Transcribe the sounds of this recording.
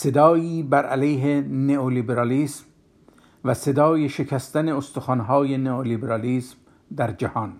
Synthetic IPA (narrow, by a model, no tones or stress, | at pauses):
se̞d̪ɒːjiːbæɾælejɦeneolibeɾɑliːsm | væse̞d̪ɒːjeʃe̞kʰæst̪æne̞ost̪oxɑːnɦɒːjeneolibeɾɑliːsm | d̪æɾd͡ʒæhɒːn